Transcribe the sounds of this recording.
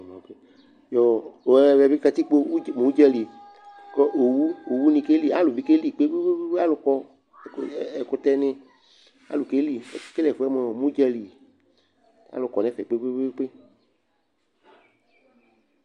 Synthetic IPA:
mã˨ke˦ | jɔ˨ɛ˨˦˨vɛ˨vi˦ka˧t̪i˦k͡po˦˨mũ˨˦d͡ʒɛ˦li˨ | kɔ˦ʔo˨wu˦o˨wu˦nĩ˧ke˦li˦a˦lʊ˨vi˨˦ke˦li˨k͡pe˦ɡ͡be˦ɡ͡be˦be˦be˦a˦lʊ˧kɔ˧˨ | kɛ˨kʊ˧t̪ɛ˦nɪ̃˧ | a̰˦lʊ˨ke˦li˨ke˦lɛ˨fu˨˦ɛ˦mɔ˨mũ˦d͡ʒɛ˦li˨ | a̰˨˦lʊ˨kɔ˨nɛ̃˦fɛ˨k͡pe˦k͡pe˦be˦be˦k͡pe˦

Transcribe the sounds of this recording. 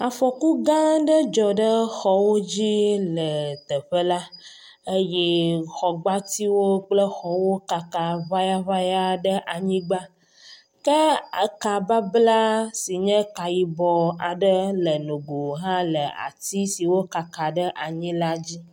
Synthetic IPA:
a˨fɔ˨ku˦ɡã˦ɖə˦d͡ʒɔ˨ɖə˦xɔ˦wo˦d͡ʑi˦lə˨t̪ə˨ɸə˦la˦ | ə˦jɛ˦xɔ˨ɡ͡ba˦t̪i˦wo˦k͡plə˦xɔ˨wo˦ka˨ka˨βa˦ja˦βa˦ja˦ɖə˦ʔa˨ɲĩ˦ɡ͡ba˦ | kə˦a˨ka˨ba˦bla˦si˨ɲɛ̃˦ka˨ji˨bɔ˨a˨ɖə˦lə˨nũ˨ɡo˨ɦã˦lə˨a̰˨t̪i˦si˨wo˦ka˨ka˨ɖə˦ʔa˨ɲĩ˦la˦d͡ʑi˦

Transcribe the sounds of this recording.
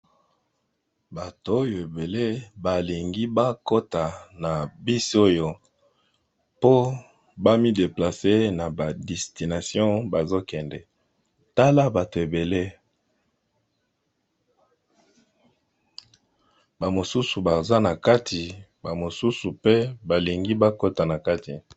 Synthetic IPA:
ba˨to˨o˦jo˨e˨be˨le˦ba˨li˨ŋɡi˦ba˦ko˦ta˨na˨bi˦so˦jo˦ | po˦ | ba˦mi˦de˨pla˨se˦na˨ba˨dɛ˨sti˨na˨sjɔ̃˦ba˨zo˦kɛ˨ndɛ˨ | ta˦la˦ba˨to˨e˨be˨le˦ | ba˨mo˨su˦su˨ba˨za˦na˨ka˦tʰi˨ba˨mo˨su˦su˨pe˦ba˨li˨ŋɡi˦ba˦ko˦ta˨na˨ka˦ti˨

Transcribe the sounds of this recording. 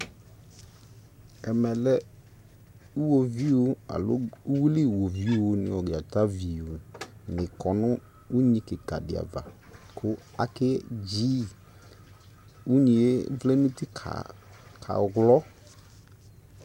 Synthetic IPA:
ɛ˨mɛ˨lɛ˦ | u˦wo˨vi˦wo˦a̰˨lo̰˦u˦wu˦li˦˨wo˨vi˦wo˦nɪ̰̃˨wɔ˨ɡe˨a˨t̪a˦vi˨wo˨nɪ̃˨kɔ˨nʊ̃˦ | u˦ɲĩ˦ke˨ka̰˨dɪ˨a̰˨va̰˨ | kʰʊ˦ | a̰˨kɛ˦d͡ʑi˦ | wu˦ɲĩ˨e˦vle˦nũ˦t̪i˦a̰˨kʰa̰˨˦ɣlɔ˦

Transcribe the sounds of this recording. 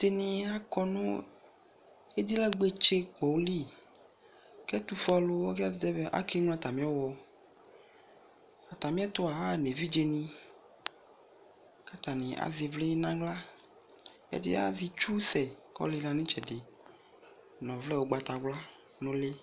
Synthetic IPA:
t̪e˦nĩ˦a˦kɔ˦nũ˦ | e˦d̪i˦la˦ɡ͡be˦t͡ʃe˦k͡pɔ˨wli˦ | kɛ˦t̪u˦fɔ˦lo˦wɔ˦ka˦d̪ɛ˦be˦ʔa̰˦ke˦ŋlɔ̃˦a˦˨t̪a˨mĩ˦ɔ˦wɔ˨ | a˨t̪a˨mĩ˦a˦t̪o˦a˨a˦˨ne˨vi˦d͡ʒe˨nĩ˦ | ka˦t̪a˨nĩ˨a̰˨zi˨vle˦nã˦ɡla˦ | ḛ˦dḛ˦a̰˦zi˨t͡ʃu˦sɛ˨kɔ̰˦li˦nã˨nĩ˦t͡ʃɛ˨de˨ | nɔ̃˨vlɛ˦wo˨ɡ͡ba˨t̪a˨ɡ͡bla˦ | nõ˦le˦

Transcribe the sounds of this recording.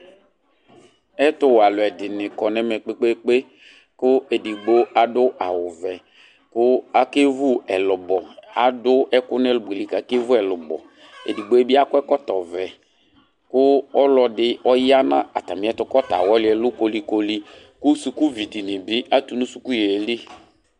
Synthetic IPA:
ɛ˦tʊ˦wa˨lʊ˨ɛ˨dɪ˨nɪ˨kɔ˨nɛ˦mɛ˨k͡pe˦k͡pe˦k͡pe˦ | kʊ˦e˨di˨ɡ͡bo˦a˨dʊ˦ʔa˨wʊ˨vɛ˨ | kʊ˦a˦ke˦vʊ˦ɛ˨lʊ˨bɔ˨a˨dʊ˦ʔɛ˦kʊ˦n˦ɛ˦lʊ˨bu˨e˨li˦˨ka˨˦ke˦vʊ˦ɛ˨lʊ˨bɔ̰˨ | ḛ˨di˨ɡ͡bo˦e˦bɪ˦a˦kʊ˦ɛ˦kɔ˦tɔ˨vɛ˨ | kʊ˦ɔ˦lɔ˨dɪ˦ɔ˦ja˦nã̰˦a˨ta˨mɪ̃˨˦ɛ˦tʊ˦kɔ˦ta̰˨wɔ˦lɪ˦ɛ˨lʊ˦ko˦li˦ko˦li˦ | kʊ˦su˨kʊ˦vi˨di˨nɪ˨bɪ˦a˦tu˨nʊ̃˦su˨˦ku˦je˨li˦

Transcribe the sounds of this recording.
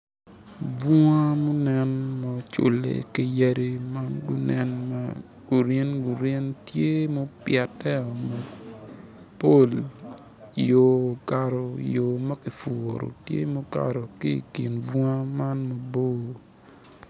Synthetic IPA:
bwɔ˦a˦mɔ˦nɛ˨nmɔ˨t͡ʃʊ̰˨lḛ˨ki˦ja˦ɾe˦ma˦nɡʊ˦nʔɛ˦nma˦ | ɡu˨ɾe˦nɡuʊ˨ɾe˦ntje˦mo˦pjɛ˨tɛ˦ɔ˨mo˨ | po˦˨l | jo˨ka˨ɾo˨joː˨ma˦ki˨fo˨ɾo̰˨tjḛ˦mo˦ka̰˨ɾo˨ki˦ḭ˨ki˨nbɔ˦a˦ma˦nmo˨bo˦˨

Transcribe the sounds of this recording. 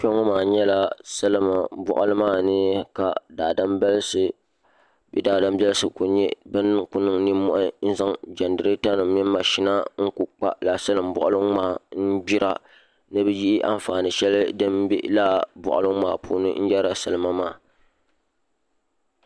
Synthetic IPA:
t͡ʃo˦ŋɔ˦maː˨ɲɛ˦la˦sɨ˦lɨ˦ma˨bɔ̰˨ʔʊ˦lɨ˦maː˦˨nɨ˦ka˨daː˨da˦mbɛ˦lsɨ˨ | bɛ̰˦daː˨da˦mbʲɛ˦lsɨ˨ku˨ɲɛ˦bɨ˦n˦ku˦nɨ˨ŋni˦mːɔ˦ʔɪ˦n̩˦za˦ŋd͡ʒa˨ndɨ˨ɾɨ˦ta˦nɨ˨mmi˦mː˦a˨ʃi˦na˦ŋ̩˦ku˨k͡pa̰˦la˨sɨ˦lɨ˨mbɔ˨ʔʊ˦lɨ˦ŋmaː˨n̩˦bi˦ɾa˨ | nɨ˦bɨ˦ji˦ʔɪ˦ʔa̰˦ɱ˨faː˨nɨ˨ʃɛ˦lɨ˦dɨ˦mbḭ˦la˦bɔ̰˨ʔʊ̰˨lɨ˦ŋ˦maː˨pṵː˦nɨ̰˦n̩˦jɛ˦ɾa˨sɨ˦lɨ˦ma˦maː˦˨

